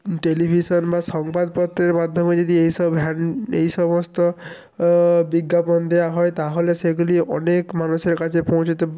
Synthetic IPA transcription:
ʈelibʱisɔnbasɔŋbad̪̚pɔt̪ɾeɾmad̪ʱːɔmed͡ʒɔd̪iejsɔbɦanejsɔmɔst̪ɔ | biɡːapɔnd̪ejaɦɔjt̪aɦoleseɡuliʔɔ̰nekmanuseɾkad͡ʒepɔwt͡ʃʰɔt̪e

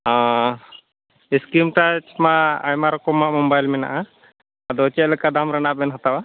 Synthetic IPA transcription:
ã | iskimʈat͡ʃmaʔajmaɾɔkɔmaʔmɔmbajlmɛna̰ʔa | d̪ɔt͡ʃɛʔ̚lɛkad̪amɾanaʔbɛnɦɔt̪awa

